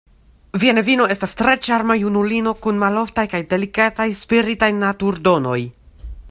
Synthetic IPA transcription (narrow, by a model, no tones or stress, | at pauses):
vienevino̞e̞stastɾe̞t͡ʃaɾmajunulino̞kunmalo̞ftajkajde̞likatajspiɾitajnatuɾdo̞no̞j